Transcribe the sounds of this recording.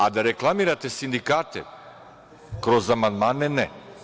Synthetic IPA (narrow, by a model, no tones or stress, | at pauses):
ad̪aɾɛklˠamiɾat̪ɛsind̪ikat̪ɛ̰ | kɾɔzamand̪manɛnɛ